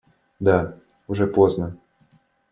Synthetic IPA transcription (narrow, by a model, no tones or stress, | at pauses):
d̪a | ʊʐɛpoznə